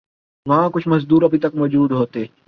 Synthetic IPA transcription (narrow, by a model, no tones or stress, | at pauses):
mãːkʊt͡ʃʰmɐzd̪uːɾɐbʱit̪ɐkmɐd͡ʒuːd̪ɦoːt̪eː